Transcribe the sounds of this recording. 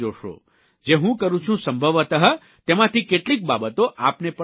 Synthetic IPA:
oʃo̰ | d͡ʒeɦũkəɾũt͡ʃʰũsəmbʱəʋət̪əɦə | t̪emãt̪ʰikeʈlik̚babət̪oʔapnepə

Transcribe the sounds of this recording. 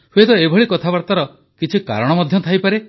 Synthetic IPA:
huet̪ɔebʱɔɭikɔt̪ʰabaɾt̪aɾɔ | kit͡ʃʰika̰ɾɔɽ̃ɔmɔd̪ʱjɔt̪ʰajpaɾe

